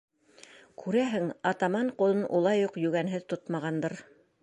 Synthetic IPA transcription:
kʉɾæɦɘŋɑt̪ɑmɑɴqŏlˠɤnʔulˠɑjuqjɵɡænɦɘðt̪ot̪mɑʁɑnd̪ɤɾ

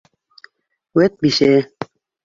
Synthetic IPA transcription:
wet̪̚biʃe

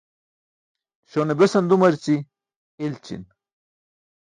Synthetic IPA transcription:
ɕonebesɐnd̪umɐɾt͡si | ilt͡ɕḭn

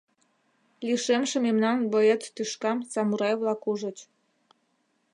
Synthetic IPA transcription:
liʃemʃĕmemnɑnboet̪ːyʃkɑmsɑmuɾɑjβlɑkuʒə̆t͡ɕ

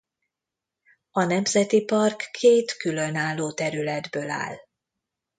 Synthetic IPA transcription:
ɒnɛmzɛt̪ipɒrkʰːeːt̪kylø̞naːlːoːt̪ɛɾylɛd̪bøːla̰ːl

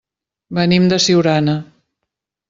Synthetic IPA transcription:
bənimd̪əsiwɾanə

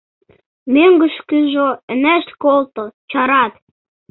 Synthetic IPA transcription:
møŋɡə̆ʃkyʒoə̆næʃt̪kolt̪ot͡ɕɑɾɑt̪

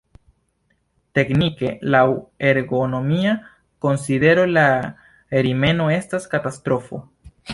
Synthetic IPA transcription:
te̞knike̞lawe̞ɾɡo̞no̞mia | ko̞nsid̪e̞ɾo̞la | eɾime̞no̞e̞staskatastɾo̞fo̞̰

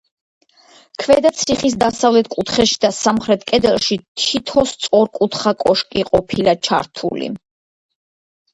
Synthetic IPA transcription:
kʰvɛd̪at̪sʰiχis̬d̪asavlɛt̪ʰkʼut̪ʰχɛʃi̥d̪asamχɾɛt̪ʰkʼɛd̪ɛlˠʃit̪ʰit̪ʰɔst̪sʼɔɾkʼut̪ʰχakʼɔʃkʼiqʼɔpʰilat͡ʃʰa̰ɾt̪ʰṵlḭ

